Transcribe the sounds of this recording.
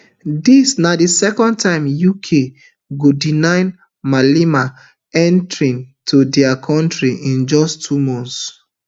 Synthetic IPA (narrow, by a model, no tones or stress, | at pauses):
disnadisɛkɔ̃nd̚tãɪ̃mjukʰe | ɡodinãɪ̃n | malima | ɛ̃ntɹĩntʰudɛakʰɔ̃ntɹiʔĩnd͡ʒɔstʰumɔ̃ns